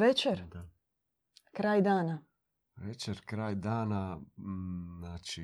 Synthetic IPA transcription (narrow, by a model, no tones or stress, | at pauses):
ʋet͡ʃeɾ | kɾaːjd̪aːna | ʋet͡ʃeɾkɾaːjd̪aːna | naːt͡ʃi